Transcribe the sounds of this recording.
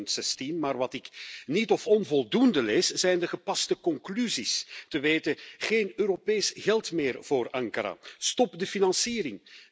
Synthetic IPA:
əntsɛstinmaːrʋɑtɪknitɔfɔnvɔlˠdundəleːsz̥ɛjndəɣəpɑstəkɔŋklyzistəʋeːtəɣeːnøːɾopejsɣɛlˠtmɪːrv̥oːrʔɑŋkaɾa̰stɔpdəfinɑnsiːɾɪŋ

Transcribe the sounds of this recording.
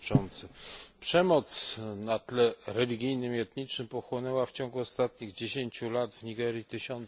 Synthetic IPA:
t͡ʂɔnt̪sɘpʂɛmɔt̪snat̪lɛɾɛlʲiɡʲijnɘmiɛt̪ɲit͡ʂnɘmpɔxwɔnɛwaft͡ɕɔŋɡuɔst̪at̪̚ɲiɣd͡ʑeɕeɲt͡ɕulad̪vɲiɡɛɾʲjit̪ɘɕɔn

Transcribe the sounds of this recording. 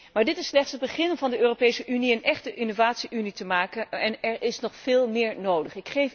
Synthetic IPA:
maːɹdɪtɪsːlɛχtsɦəd̚bəχɪnənvɑndəʔøːropejsəʔyniənɛχtəʔɪnovaːtsiʔynitəmaːkəɛnɛɹɪsnɔχfɪːlˠmɪːɹnowdəχɪkχejf

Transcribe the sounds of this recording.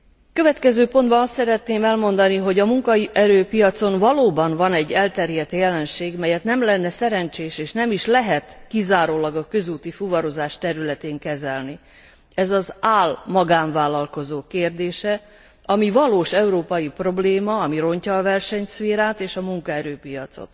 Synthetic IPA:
køvɛt̪kɛzøːpo̞nd̪̚bɒnɒst̪sɛɾɛt̪neːmɛlmo̞nd̪ɒniɦo̞ɟɒmuŋkɒiʔɛɾøːpijɒt̪so̞nvɒloːbɒnvɒnɛɟːɛlt̪ɛrjɛt̪jɛlɛnʃeːɡmɛjɛt̪nɛmlɛnːɛsɛɾɛnt͡ʃeːʃeːʃnɛmiʃlɛɦɛt̪kizaːɾoːlɒɡɒkø̞zuːt̪ifuvɒɾo̞zaːʃt̪ɛɾylɛt̪eːŋkɛzɛlni | ɛzɒzaːlmɒɡaːɱvaːlːɒlko̞zoːkeːrd̪eːʃɛ | ɒmivɒloːʃɛuɾoːpɒjipro̞bleːmɒɒmiɾo̞ɲcɒːvɛrʃɛɲsʋeːɾaːt̪eːʃɒmuŋkɒɛɾøːpijɒt̪so̰t̪

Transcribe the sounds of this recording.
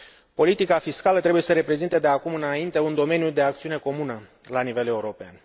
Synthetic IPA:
po̞lit̪ikafiskalət̪ɾebuje̞səɾe̞pɾe̞zint̪ed̪e̞akumɨnaint̪e̞und̪o̞me̞njud̪e̞ak̚t̪siune̞ko̞munəlanive̞le̞uɾo̞pea̰n

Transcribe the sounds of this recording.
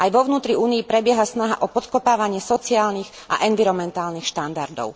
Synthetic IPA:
ajʋɔʋnuːt̪ɾiuːniipɾɛbɪɛɦasnaɦaʔɔpɔt̪kɔpaːʋaɲɪɛsɔt͡siaːlnix | ʔa̰ʔɛnʋiɾɔmɛnt̪aːlnixʃt̪and̪aɾd̪ɔ̰ʊ

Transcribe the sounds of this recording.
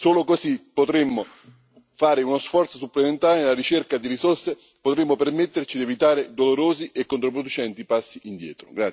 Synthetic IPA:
soːlokosipːot̪ɾemːo | faːɾɪunosfɔrt̪sosuplement̪aːɾɪnelaɾit͡ʃerkad̪iɾisorse | pot̪ɾemːopermet̪ːert͡ʃid̪ievit̪aːɾed̪oloɾoːziʔekːont̪ɾop̬ɾod̪ut͡ʃɛnt̪ipasːiʔind̪jɛ̰ːt̪ɾo̰ɡɾa

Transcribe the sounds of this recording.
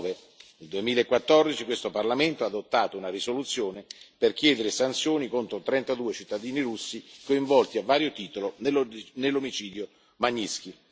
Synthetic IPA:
ve | nild̪uemiːlaekːwat̪ːɔrd̪it͡ʃikwest̪oparlament̪oad̪ot̪ːaːt̪ounarisolut̪sːjoːneperkjɛːd̪eɾesant̪sjoːnikont̪ɾot̪ɾɛnt̪ad̪uːet͡ʃit̪ːad̪iːniɾusːikoiɱvɔlt̪iavːaːɾjot̪iːt̪olonelːomit͡ʃiːd̪jo | maɲːiski

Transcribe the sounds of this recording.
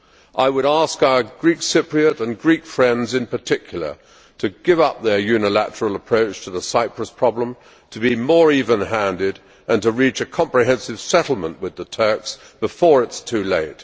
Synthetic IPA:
ʔaɪwəɾæskaʊə˞ɡɹiksɪpɹiɨɾɨ̃nɡɹikfɹɛ̃ndzɨ̃npə˞tʰɪkʰjl̩ˠə̰˞ | ɾʰɨɡɪvʌp̚ðə˞jʉnəlæ̰ɾə˞l̩ˠəpʰɹ̥oʊt͡ʃtʰəðəsaɪpʰɹəspʰɹ̥ɑblə̃m | tʰɨbimɔɹivə̃nɦæ̃ndɪɾ | ɨ̃ntɨɹit͡ʃɨkʰɑ̃mpɹɨɦɛ̃nsɨv̥sɛɾl̩ˠmə̃nʔwɨðətʰɜ˞ks | b̥əfɔɹɨtstʰʉleɪt̚

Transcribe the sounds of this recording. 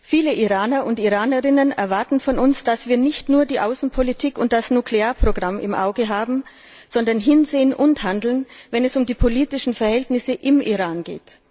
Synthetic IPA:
fiːləʔiʁaːnɐʊntiʁaːnəʁɪnənɛ̰ɐvaɐtn̩fɔnʊnsd̥asv̥iːɐnɪçtnuːɐdiːʔaʊsn̩pʰolitʰiːkʊnt̚d̥asnukleaːɐpʁ̥oɡʁamɪ̰mʔa̰ʊɡəɦaːbm̩ | z̥ɔndɐnɦɪnzeːənʔʊnthandl̩nvɛnɛsʊmdiːpʰoliːtɪʃn̩fɛɐhɛltnɪsəʔɪmʔḭʁaːnɡḛːt

